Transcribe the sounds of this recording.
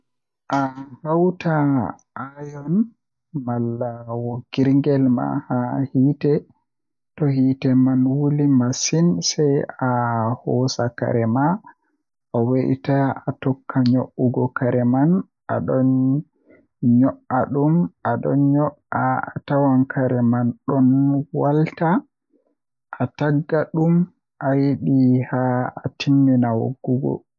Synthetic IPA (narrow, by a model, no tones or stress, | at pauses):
ʔahawtʰa | ʔajɔn | malːawɔɡiɾŋɡɛlma̰hahiːtɛ | tɔhitɛmanwulimasinsɛjahɔsaka̰ɾɛma | ʔɔweʔḭtaatɔkʰːaɲoʔːuɡɔkaɾɛman | ʔa̰ɗɔn | ɲɔʔaɗumʔaɗɔ̰nɲɔʔaatawankʰaɾɛmanɗɔnwalta | ʔataɡːaɗum | ʔajiɗihaatimːinawo̰ɡːuɡɔ̰